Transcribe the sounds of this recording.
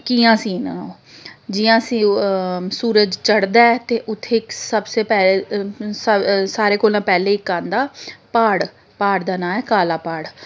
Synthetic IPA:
kiːãːsĩːnãːoː | d͡ʒɪjãːsĩːsuːɾəd͡ʒt͡ʃəɽd̪aːɛt̪eːʔʊt̪ʰːeːksəbseːpɛːleːsəsaːɾeːkoːlãːpɛːleːɪkːãːnd̪aːpaːɽ | paːɽd̪aːnãːɛːkaːlaːpaːɽ

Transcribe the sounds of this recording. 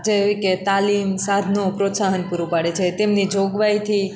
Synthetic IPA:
d͡ʒeojket̪alimsad̪ʱnopɾot̪saɦənpuɾupaɽet͡ʃʰet̪emnid͡ʒoɡʋajt̪ʰi

